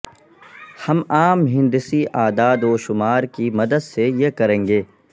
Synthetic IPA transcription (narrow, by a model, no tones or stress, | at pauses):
hɐmaːmɦɪ̃nd̪ɪsiʔaːd̪aːd̪oːʃʊmaːɾkimɐd̪əd̪sejekɐɾẽːŋɡeː